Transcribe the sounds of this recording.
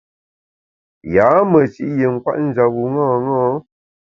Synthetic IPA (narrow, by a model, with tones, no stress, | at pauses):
jaː˨˦mə˨t͡ʃi˦ʔje˨ŋ̩˨kwa̰˦ʔn̩˦d͡ʒa˨wu˨ŋɔ˦˨ŋɔ˦